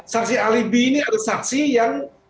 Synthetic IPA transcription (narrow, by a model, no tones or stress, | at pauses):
sak̚sialibiːniadalsak̚sijaŋ